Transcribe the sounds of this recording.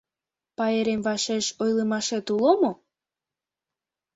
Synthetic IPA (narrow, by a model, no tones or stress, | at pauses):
pɑeɾemvɑʃeʃojlemɑʃet̪ulomo